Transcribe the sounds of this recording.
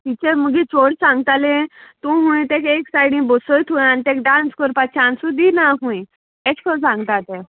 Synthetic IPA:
t̪it͡ɕeməɡit͡sʰoɽsãŋɡt̪alẽt̪ũɦũĩt̪ekeksajɽĩbosəjt̪ʰũjanit̪ẽk̚ɖãnskəɾpat͡ɕʰãnsud̪inaɦũĩ | et͡ɕkʰəsãŋɡt̪at̪e

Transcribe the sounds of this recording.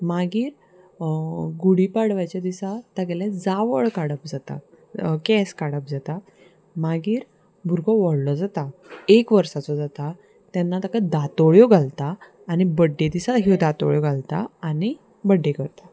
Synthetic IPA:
maɡiːɾ | ɡuɽipaɽʋajt͡ɕad̪isat̪aɡɛlãd͡zaʋəɭkaɽəpd͡zat̪a̰ | kɛskaɽəp̚d͡zat̪a | maɡiːɾ | bʱuɾɡɔʋɔɽlɔd͡zat̪aekʋəɾsat͡sɔd͡zat̪a | t̪ɛnːat̪akad̪at̪ɔɭjɔɡʱalt̪aː | nibəɖːed̪isaɦd̪at̪ɔ̰ɭjɔɡalt̪a̰ani | bəɖːekəɾt̪a

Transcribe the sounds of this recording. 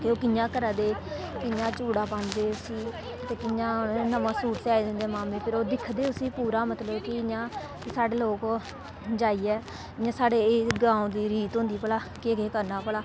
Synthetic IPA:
keoːkɪjãːkəɾaːd̪eː | kɪjãːt͡ʃuːɽaːpãnd̪eːʊsiː | t̪eːkɪɲãːnəmãːsuːʈsaːiːd̪ɪ̃nd̪eːmaːmẽːpʰɪɾoːd̪ɪkʰd̪eːʊsiːpuːɾaːmət̪ləbkɪɪãː | kɪsaːɽeːloːkoː | d͡ʒaːiːɛː | ɪɲãːsaːɽeːɡãːõːd̪iːɾiːt̪ɦõːnd̪iːpəlaːkeɡeːkəɾnaːpəlaː

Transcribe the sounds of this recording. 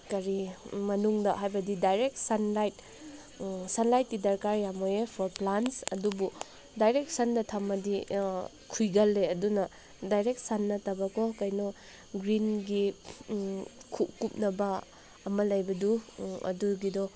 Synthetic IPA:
kɐɾimɐnuŋdɐɦajbɐdidajɾek̚tsɐnlajt̚ | sɐnlajt̚ɡidɐɾkaɾjamojepʰɔɾplansɐdubu | dajɾek̚sɐndɐtʰamːɐdi | kʰujɡɐlːeɐdunɐ | dajɾek̚t̚sanːɐtɐbɐkɔkɐjnɔ | ɡɾinɡi | kʰup̚kup̚nɐbɐ | ɐmɐlɐjbɐduɐ̰duɡidɔ

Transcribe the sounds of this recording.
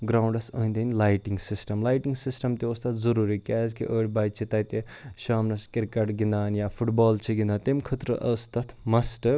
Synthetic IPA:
ɡɾawɳɖɐsəɦnd̪enlajʈiŋɡsisʈɐmlaːjʈiŋɡsisʈɐmt̪eost̪ɐt̪ʰzɐɾuːɾikaːzkḭʔəːɽʲbɐjt͡ʃʰit̪ɐjt̪e | ʃaːmnɐskiɾkɐʈɡind̪aːnjapʰuʈbɔːlt͡ʃʰiɡind̪at̪emkʰɐt̪ɾəʔɐst̪ɐt̪ʰmɐsʈɐɾ

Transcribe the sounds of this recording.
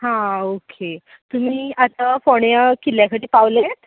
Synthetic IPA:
ɦãokʰe | t̪um̤iːat̪afoɳjakiljakəɽiːpaʋləet̪

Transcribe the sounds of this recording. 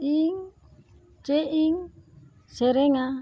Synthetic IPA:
iŋ | t͡ʃeʔiŋ | sɛɾɛŋa

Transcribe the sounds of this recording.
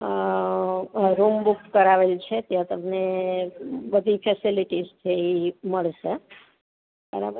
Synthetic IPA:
ɾumbukkəɾaʋelt͡ʃʰet̪jãt̪əmne | bəd̪ʱifɛsiliʈizt̪ʰəiməɭʃe | ə̰ɾa̰ə

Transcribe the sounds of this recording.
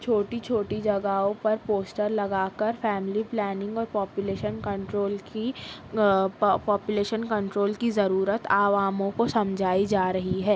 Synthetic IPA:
t͡ʃʰoːʈit͡ʃʰoːʈid͡ʒɐɡaːõpɐɾpoːsʈəɾlɐɡaːkəɾfɛːmɪliplɛːnɪ̃ŋɡɔːɾpɔːpjʊleːʃənkɐ̃ɳʈɾoːlki | pɔːpjʊleːʃənkɐ̃ɳʈɾoːlkizɐɾuːɾət̪aːʋaːmõkosɐ̃md͡ʒʱaːid͡ʒaːɾɐɦiɦɛː

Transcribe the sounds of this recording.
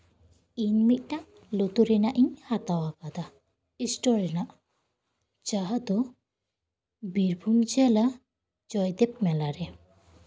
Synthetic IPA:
inmit̪̚ʈaʔ | lot̪uɾɛnaʔiɲhat̪awakad̪a | isʈɔɾɛnaʔ | t͡ʃaɦad̪ɔ | biɾbʱumd͡ʒɛla | d͡ʒɔjd̪ɛp̚mɛlaɾɛ

